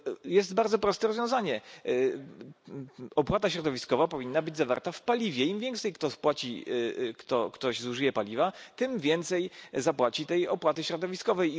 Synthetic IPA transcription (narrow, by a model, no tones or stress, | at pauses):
jɛsd̪baɾd̪zɔpɾɔst̪ɛɾɔzvjɔ̃w̃zaɲɛ | ɔpwat̪aɕɾɔd̪ɔvʲiskɔvapɔvʲinːabɘd͡ʑzava̰ɾt̪afpalʲivʲjɛimvʲjɛŋkt̪sɛjkt̪ɔspwat͡ɕḭkt̪ɔkt̪ɔɕzuʐɨjɛpalʲivat̪ɘmvʲjɛnt̪sɛjzapwat͡ɕit̪ɛjɔpwat̪ɘɕɾɔd̪ɔvʲiskɔvɛj